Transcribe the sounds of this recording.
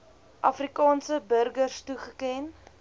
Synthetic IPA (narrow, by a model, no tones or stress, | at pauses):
ʔɐfrikɑːnsəbərɡərstuχəkɛn